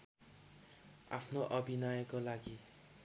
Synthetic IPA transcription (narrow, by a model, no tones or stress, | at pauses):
a̰pʰnoʔʌbʱinʌjʌkolaɡi